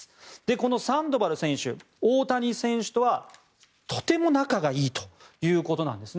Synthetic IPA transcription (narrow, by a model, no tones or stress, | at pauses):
d̪̥e̞ko̞no̞sãnd̪o̞baɾɯ̟sẽ̞ɰ̃ɕɨ̰ | oːt̪aɲ̟isẽ̞ɰ̃ɕɨ̥t̪o̞βa | t̪ʰo̞̥t̪e̞mo̞nakaɡaiːt̪o̥jɯ̟ːko̞t̪o̞nã̰nd̪e̞sɨn